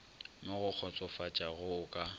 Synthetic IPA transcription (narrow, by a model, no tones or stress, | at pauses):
mɪɣʊk͡xʰɔt͡sʼɔfat͡ʃʼaɣʊʊkʼa